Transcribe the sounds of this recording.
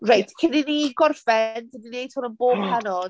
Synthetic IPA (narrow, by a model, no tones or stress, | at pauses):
rajtʰkʰɪniniɡɔrfɛndəninejd̥hɔnənboːb̥hanɔd̥